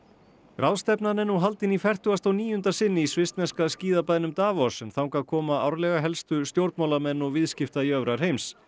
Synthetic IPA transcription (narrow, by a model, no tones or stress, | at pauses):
ɾʔawst̪ɛpnanɛnuɦalt̪ɪnifɛr̥t̪ʏɣast̪awniːjʏnt̪asɪnːɪisvɪst̪nɛskasciːðapaðnʏmt̪aːvɔsɛmθawŋkakʰɔːmaa̰wɾlɛɣaɦɛlst̪ʏst̪jowɾt̪mawlamɛnːɔɣvɪðscɪft̪aiœvɾaɾ̥ɦejms